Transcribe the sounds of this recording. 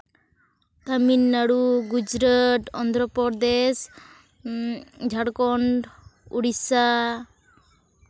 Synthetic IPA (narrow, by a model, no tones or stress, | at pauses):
t̪aminːaɽuɡud͡ʒɾaʈ̪ɔnd̪ɾɔpɔɾd̪es | d͡ʒʱaɽkɔɳɖṵɽisa